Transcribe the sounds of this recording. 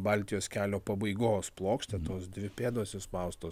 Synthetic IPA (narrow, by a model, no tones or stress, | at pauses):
bɑlʲt̪ʲɪjoːskʲæːlʲoːpɐbɐɪɡoːsplˠoːkʃʲt̪ʲɛt̪oːsd̪ʲʋʲɪpʲeːd̪oːsʲɪspɐʊst̪oː